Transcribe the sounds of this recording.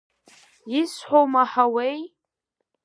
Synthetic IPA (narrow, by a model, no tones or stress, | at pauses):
ɪsħʷowmaħawej